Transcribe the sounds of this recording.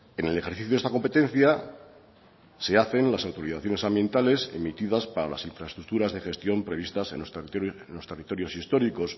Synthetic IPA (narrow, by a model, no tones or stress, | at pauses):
e̞ne̞le̞xe̞ɾθiθjoðest̪ako̞mpe̞t̪ẽ̞n̟θja | se̞aθe̞nlasawt̪o̞ɾiθaθjo̞nesambje̞nt̪ale̞se̞̰mit̪ið̞aspaɾala̰siɱfɾaest̪ɾuk̚t̪uɾazðexe̞st̪jo̞mpɾe̞β̞ist̪asḛnost̪nlo̞st̪erit̪o̞ɾjo̞sist̪o̞ɾiko̞s